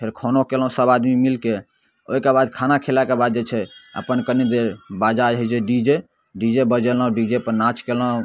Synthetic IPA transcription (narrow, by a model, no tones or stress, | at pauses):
pʰeɾkʰonokelũsəbad̪mimilke | o̰ɦikebad̪kʰanakʰelakebad̪̚d͡ʒet͡ʃʰɛə̰pənkəned̪eɾbad͡ʒad͡ʒɦojt͡ʃʰeɖid͡ʒe | ɖid͡ʒebəd͡ʒelãũɖid͡ʒepəɾnat͡ʃkelãũ